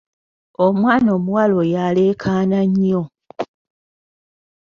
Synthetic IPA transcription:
omwaːnoːmuwalo̞jale̞kʰaːnaɲːo

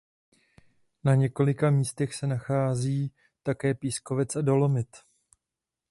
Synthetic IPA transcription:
naɲɛko̞lɪkamiːst̪ɛxsɛnaxaːziː | t̪akɛːpiːsko̞vɛt͡sado̞lo̞mɪt̪

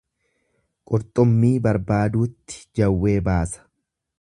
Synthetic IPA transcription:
kʼɔɾt̪ʼɔmːiːbɐɾbaːd̪uːt̪ːɪ̥d͡ʒɐwːe̞ːbaːsɐ̥

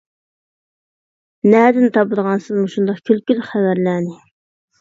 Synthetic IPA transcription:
næd̪ɪnt̪ʰɑbɨd̪əʁɑnsɨzmuʃund̪ɑqkʲʰylkʲylχævæɾlæːnɪ

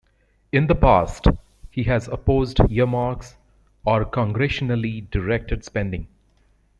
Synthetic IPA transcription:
ɪ̃nd̪əpaːsʈ | hiːɦæzəpoːzɖjiəmaːɾks | ɔɾkɔ̃ŋɡɾɛʃənəliɖɪɾɛk̚ʈəɖspɛ̃nɖɪ̃ŋ

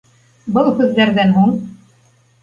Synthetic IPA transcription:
bɤlˠhʉðːæɾðænɦuɴ

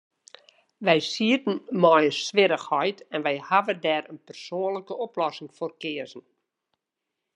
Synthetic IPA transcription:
ʋɛjsiərtn̩mɔjəsʋɪɾəxhɔjtɛnʋɛjhaʋədɛːɾənpərsoːənləkəɔplɔsɪŋforkɪəzn̩

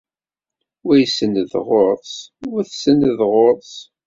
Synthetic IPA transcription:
wæjsənðʁoɾˤðˤsʊθsənðʁoɾˤs

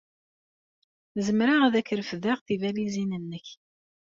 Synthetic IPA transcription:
zəmɾaʁðækːəɾəfðæʁθivælizinənːəç

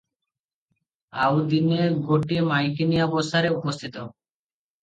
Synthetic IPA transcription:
awd̪ineɡoʈimajkinijabost̪aɾeupost̪ʰit̪o

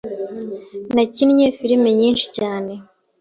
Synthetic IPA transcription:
nacinɲefiɾimeɲiːnʃi̥caːne̞

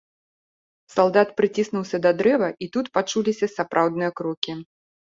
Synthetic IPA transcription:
salˠd̪at̪pɾɨt͡sʲisnuwsʲɐd̪ɐd̪ɾɛvɐʔit̪ut̪pat͡ʂulʲisʲɐsapɾawd̪̚nɨjɐkɾɔkʲi

